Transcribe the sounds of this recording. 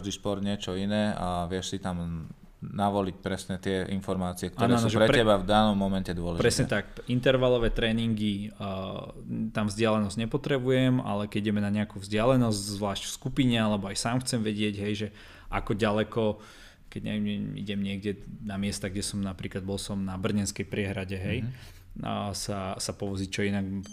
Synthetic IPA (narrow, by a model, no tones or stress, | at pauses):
ʒd̪ispɔɾd̪ɲɪɛt͡ʃɔinɛːaʋɪɛʃsit̪am | naʋɔlic̚pɾɛsɲɛt̪ɪɛʔinfɔɾmaːt͡siɛk̚t̪ɔːnɾɛɔasnɔʒɛɾɛɾɛbavd̪anɔmːɔmɛncɛd̪ʊɔlɛpɾʒɾɛsɲɛt̪akint̪ɛɾʋalɔʋɛːt̪ɾɛːniŋɡi | t̪amvzɟɪalɛnɔzɟɲɛpɔt̪ɾɛbujɛma̰lɛkɛɟiɟɛmɛnaɲɛakuvzɟɪalɛnɔzɟzʋlaːʃcfskupiɲɛalɛbɔajsaːmxt͡sɛmʋɛɟɪɛɟɦɛjʒɛ | ʔakɔɟalɛkɔ | kɛɟɲɛɛḭɟɛmɲɪɛɡɟɛnamɪɛst̪aɡɟɛsɔmnapɾiːklad̪bɔlˠsɔmnabr̩ɲɛnskɛjpɾɪɛɦɾaɟɛɦɛj | sasapɔʋɔd͡zit͡ʃɔinaɡ